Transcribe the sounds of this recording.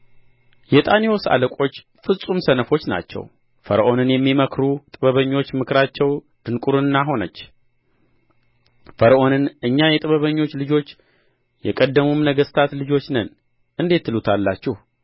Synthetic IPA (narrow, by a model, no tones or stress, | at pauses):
jɛt̪ʼanijo̞sa̰ləkʷʼo̞t͡ʃː | fɨsʼumsənəfo̞t͡ʃːna̰t͡ʃːɛ̰w | fəɾəʔo̞nɨnjɛmːiməkʰɾut̪ʼɨβəβəɲːo̞t͡ʃːmɨkɾat͡ʃːɛw | d̪̥ɨnkʼuɾɨnːaɦo̞nə̰t͡ʃː | fəɾəʔo̞nɨnʔɨɲːajɛt̪ʼɨβəβəɲːo̞t͡ʃːlɨd͡ʒo̞t͡ʃː | jɛkʼəd̪ːəmumnəɡəst̪ʰat̪lɨd͡ʒo̞t͡ʃːnən | ʔɨnd̪e̞t̪ːɨlut̪ʰalːat͡ʃːɛh